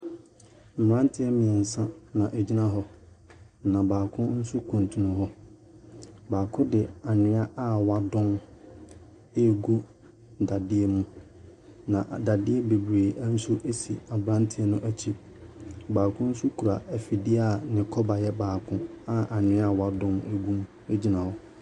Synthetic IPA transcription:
m̩˨m˨ã˦n˦tʰɪ˦ɛ˦mɪ̃˨ɛ˨n̩˨sã˦nã˨ʔe˨d͡ʑi˦nã˦ɦɔ˦ | nã˨baː˨kʰʊ̃˦n̩˦su˦kʰũ˨ntʰũ˨nʊ̃˨ɦɔ˦ | baː˨kʰʊ̃˦dɪ˨a˨nɪ̃˦a˦ʔa˦wa˦dʊ̃˦n | e˦˨ɡu˦ | da˨dɪ˦e˦mũ˦ | nã˨da˨dɪ˦e˦be˨bɾe˨æ˦n̩˦su˦ʔe˦sḭ˨a˨bɾã˦n˦tʰɪ˦e˦nʊ̃˦ʔæ˦t͡ɕʰi˦ | baː˨kʰʊ̃˦n̩˦su˦kʰu˨ɾa˨æ˨fi˨dɪ˦a˨nɪ̃˨kʰɔ˦ba˨jɛ˦baː˨kʰʊ̃˦a˦ʔa˨nɪ̃˦a˦˨wa˦dʊ̃˦ne˨ɡu˦m̃˦e˦d͡ʑi˦nã˨hɔ˦

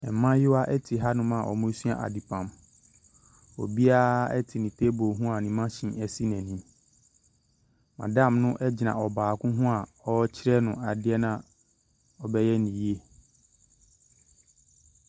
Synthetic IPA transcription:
ɛ˨mã˦jɪ˦wa˦ʔɛ˦tʰi˨ɦa˦nʊ̃˦mã˦˨ʔɔ̰˨mʊ̃˦su˦a̰˦ʔa̰˨di˨pʰã˨m | ɔ̰˨bi˦a˦ɛ˦tʰɪ˨nĩ˨tʰe˦bo˨ɦũ˦a˨nĩ˨mã˦ɕĩ˨ɛ˨si˦nɛ̃˨nĩ˦m | mã̰˨dã˦˨mnʊ̃˦ʔɛ˦d͡ʑɪ˨nã̰˨ɔ˨baː˨kʰʊ̃˦ɦʊ̃˦a˨ɔ˦t͡ɕʰɪ˦ɾɛ˦nʊ̃˨a˨dɪ˦ɛ˦nã˦ | ɔ˨bɛ˦jɛ˦nĩ˨ji˦e˦

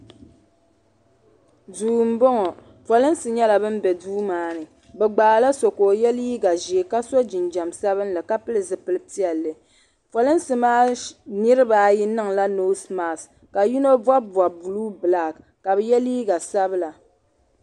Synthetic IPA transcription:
duː˨m̩˦bɔ˦ŋɔ˨ | fɔ˨lɨ˦n˦sɨ˨ɲɛ˦la˨bɨ˦m̩˦bɛ˨duː˦maː˦nɨ˨ | bɛ˨ɡ͡baː˨la˦so˨koː˨jɛ˦liː˦ɡa˨ʒi˨e˨ka˦so˦d͡ʒɪ˨nd͡ʒa˨msa˦βɨ˦n˦lɨ˨ka˦pɨ˦lɨ˨zɨ˨pɨ˨lɨ˦ti˦ɛ˨lːɨ˨ | fɔ˨lɨ˦n˦sɨ˦maː˦nɨ˦ɾɨ˦baː˨˦ji˦nɨ˦ŋla˦no˦sma˨s | ka˨ji˦no˦ba˦ba˨bu˨luː˦bɨ˨la˨k | ka˨bɨ˨˦jɛ˦liː˦ɡa˨sa˦bɨ˦la˨

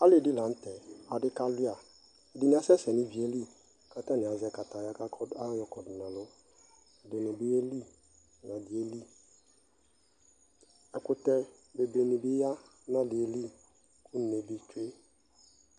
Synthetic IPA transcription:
a˦lɪ˦˨dɪ˦lã˨˦n̩˦tɛ˨a˨dɪ˦ka˦lɪ˦a˨ | ɛ˨dɪ˦nɪ̃˦a˨˦sɛ˦sɛ˨nɪ̃˦vi˨e˦li˦ | kʰa˦tã˦nɪ̃˨a˨zɛ˨ka˨ta˨ja˦ka˦a˦jɔ˨kɔ˨dʊ˨nã˨lʊ˦ | ɛ˨dɪ˨nɪ̃˨bɪ˦e˦li˦ | nã˨dɪ˨e˦li˦ | ɛ˨kʊ˦tɛ˦ | be˨be˨nĩ˨bɪ˦ja˦ | nã˦dɪ˨e˨li˦ | kʰʊ˦n˨ne˨bi˨t͡ʃe˦

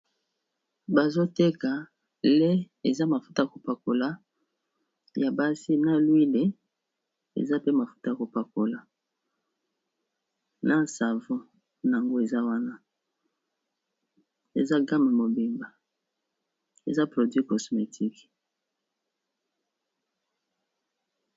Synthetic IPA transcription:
ba˨zo˦te˦ka˨ | le˦ | e˨za˦ma˨fu̥˦ta˦ja˨ko˨pa˨ko˨la˦ | ja˨ba˦si˦na˦lwi˦le˨ | ḛ˨za˦pe˦ma˨fu̥˦ta˦ja˨ko˨pa˨ko˨la˨ | na˦sa˨vɔ̃˦ | na˨a˨ŋɡo˦e˨za˦wa˦na˦ | e˨za˦ɡa˦me˨mo˨bi˨mba˨ | ḛ˨za˦pʁo˨dɥi˦kɔ˨sme˨tʰi˦k

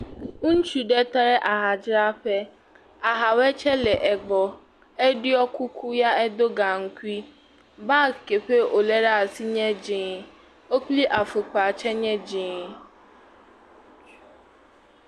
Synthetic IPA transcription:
ŋũ˦n̩˦t͡ʃu˨ɖɛ˦t̪a˦ɾɛ˦ʔa˨ɦa˨d͡ʒɾa˦ɸɛ˦ | a˨ɦa˨wɛ˦t͡ʃʰɛ˦lɛ˨ʔɛ˨ɡ͡bɔ˨ | ɛ˦ɖi˦ɔ˦kʰu˦kʰu˦ja˦ɛ˦d̪o˦ɡa˨ŋ̩˦ku˦i˦ | ba˦˨ke˨ɸe˦o˨lɛ˦ɖa˦˨si˦ɲɛ̃˦d͡ʑĩː˨ | o˦k͡pli˦ʔa˨fe˨k͡pa˨t͡ʃʰɛ˦ɲɛ̃˦d͡ʒĩ˨

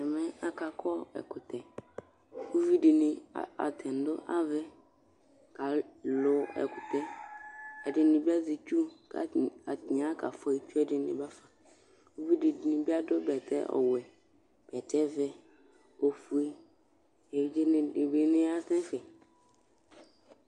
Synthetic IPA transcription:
ɛ˨mɛ̃˦a˨ka˨kʰɔ˦ɛ̰˨kʊ˨t̪ɛ˨ | wu˦vi˦dɪ˨nɪ̃˨a̰˨t̪ʰɛ˨n˨dʊ˦ʔa˦vɛ˦ | ka˨lʊ˨ɛ̰˨kʊ˨t̪ɛ˦ | ɛ˨dɪ˨nɪ̃˨bi˦a˦zi˨t͡ʃu˦ka̰˨a˨t̪ɲ˨ã˦ka̰˨fɔ˦i˨t͡ʃu˦ɛ˦dɪ˨nɪ̰̃˨ba˦fa˨ | wu˦vi˦dɪ˨nɪ̃˨bi˦a˦dʊ˦bɛ˨tʰɛ̰˦ʔɔ̰˨wɛ˨ | b̥ɛ˨tɛ˦vɛ˦ | o˨fu˨e˦ | ɛ˨d͡ʒbe˨nɪ̃˦a˦t̪ɛ̃˦fɛ˨

